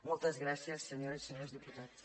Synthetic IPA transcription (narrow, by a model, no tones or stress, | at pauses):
mulˠt̪ɐʒɣɾasiɐʃsɨɲoɾɐsɨɲoɾʒd̪ɨput̪aðu